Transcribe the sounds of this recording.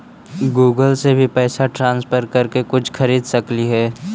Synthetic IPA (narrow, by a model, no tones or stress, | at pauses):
ɡuːɡəlsebʱipɛːsaʈɾãːnspʰəɾkɐɾkekʊt͡ʃʰxʰɐɾiːd̪sɐkliɦɛː